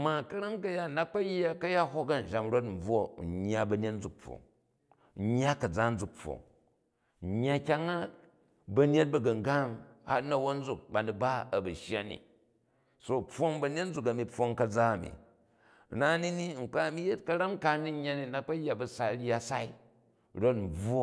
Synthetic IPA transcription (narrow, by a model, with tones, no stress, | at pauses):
ma˨kɐ˦ɾa˦ŋkɐ˦ja˦˨na˦k͡pɐ˦jːa˦kɐ˦ja˦ɦo˦kɐ˦n̩˨ʒa˨mɾo˦t̬m̩˨b͡vo˦˨ɲːa˦bɐ˨ne˦tn̩˦d͡zu˨k̚p͡fːo̰˨ŋ̩˦ | ɲː˦a˦kɐ˨d͡za˦n̩˦d͡zu˨k̚po̰˨ŋ̩˨ | ɲːa˦kʲa˦ŋa˦ | bɐ˦ne˦t̚bɐ˨ɡɐ˨ŋ˨ɡa˦ŋha˦tnɐ˨wo˦n̩˦d͡zu˦k̚ba˨ni˨ba˦ɐ˨bɐ˨ʃja̰˦nḭ˨ | so˦po˦ŋbɐ˨ne˦tn̩˦d͡zu˨kɐ˨mi˦po˧ŋkɐ˨d͡za˦ɐ˨mḭ˨ | na˦ni˦ni˦ŋ̩˨k͡pa˦˨mi˦je˦t̚kɐ˦ɾa˦ŋ˦ka˦ni˦ɲː˦a˦ni˨na˨k͡pɐ˦jːa˨bɐ˨sa˨˦ɾa˦sa˦i˦ | ɾo˦tm̩˨b͡vo˦